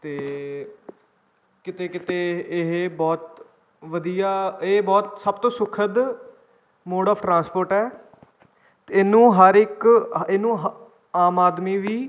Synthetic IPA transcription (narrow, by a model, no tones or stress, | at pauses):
t̪eː | kɪt̪eːkɪt̪eːɪɦbɔːt̪ | ʋəd̪ijaːebɔːt̪səbt̪õːsʊkʰəd̪ | moːɖɔːʋʈɾãːnspoːɾʈɛː | t̪eɪnːũːɦəɾɪkenːũːɦ | aːmaːd̪miːʋiː